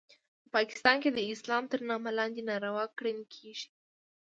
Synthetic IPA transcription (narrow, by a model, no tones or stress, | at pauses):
pəpɑkɪ̥st̪ɑnked̪əɪslɑmt̪əɾnɑmalɑnd̪enɑɾawɑkɽənkʰeʒi̥